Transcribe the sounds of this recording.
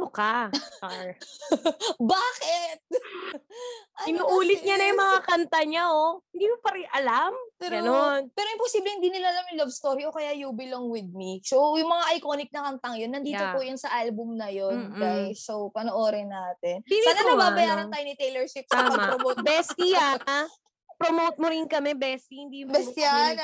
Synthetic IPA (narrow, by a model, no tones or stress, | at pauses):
mʊka | baːkɛt̪̚ | ʔɐɪnuʔuːlɪt̪̚ɲɐnɐjʊmɐŋakɐnt̪ɐɲaohɪnd̪iːkopɐɾɪʔɐlampɛɾononpɛːɾoɪmposiːblɛhɪnd̪iːnɪlaʔːlamjʊŋlɐvst̪o̞ːɾiʔokɐjajubɪloŋwɪd̪̚misowjʊŋmɐŋaʔɐjkonɪk̚nɐkɐnt̪ɐŋjonːɐnd̪iːt̪opʊjʊnsɐʔalbʊmnɐjonɡajsowpɐnoʔoːɾɛnaːt̪ɛninannɐbabɐjaːɾɐnaːjonɪt̪ejlɛɹʃɪp̚saɐpmɐɡmpɾomowt̪̚bɛst̪ia | pɾomowt̪̚moɾɪnkɐmɛbɛst̪ihɪnd̪iːjʊmbɛst̪ian